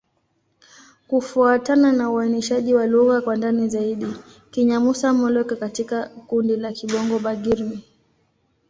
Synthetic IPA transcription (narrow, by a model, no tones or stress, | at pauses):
kufuatananauaniʃaʄiwaluɣakwandanizaiɗi | kiɲamusamɔlɔkakatikakundilakiɓɔŋɡɔɓaɡiɾmi